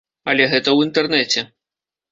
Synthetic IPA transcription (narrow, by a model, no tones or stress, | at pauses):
ɐlʲɛɣɛt̪ɐwint̪ɛrnɛt͡sʲɛ